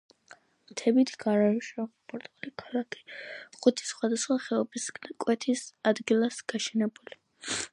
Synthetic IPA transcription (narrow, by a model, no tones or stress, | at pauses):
mt̪ʰɛbit̪ʰɡaɾaɾuʃaχpʰʼɔɾt̪ʼalikʰalakʰi̥χut̪ʰi̥sχwad̪asχwaχɛɔbiskʼwɛt̪ʰisad̪ɡilˠasɡ̥aʃɛnɛbuli